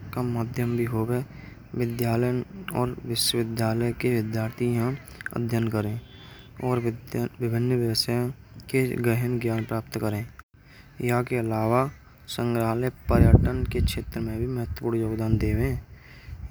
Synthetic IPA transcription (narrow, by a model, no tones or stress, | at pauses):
kamaːd̪ʱjəmbʱiɦoːbe | ʋɪd̪jaːləjɔːɾʋɪʃwəʋɪd̪jaːləkeʋɪd̪jaːɾt̪ʰijã | ə̰d̪ʱjənkəɾẽ | ɔːɾʋɪbʱɪnːʋjəʋəsaːj̃ | keɡɾəɦənɡjaːnpɾaːp̚t̪kəɾẽː | jakeəlaːwa | sə̃ŋɡɾaːlepəɾjəʈənkekʃʰeːt̪ɾəmẽbʱiməɦət̪wəpuːɽjoːɡd̪aːnd̪eːwẽː